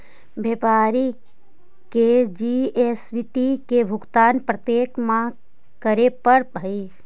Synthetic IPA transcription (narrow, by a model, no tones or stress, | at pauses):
beːpaːɾi | ked͡ʒieːsʋiʈikebʱʊɡt̪aːnpɾət̪jeːkmã | kəɾepəɾʱəi